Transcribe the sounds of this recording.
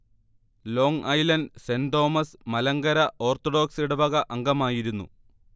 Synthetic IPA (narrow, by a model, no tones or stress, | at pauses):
lo̞ːŋʔɐjlɐnsendoːmɐsmɐlɐŋɡɐɾɐʔo̞ːrt̪oɖo̞ːksiɽebɐɣɐʔɐŋɡɐmaːjiɾunːṵ